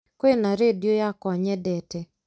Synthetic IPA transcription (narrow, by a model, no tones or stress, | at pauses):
kwenaɾedjojakɔɲɛdɛtɛ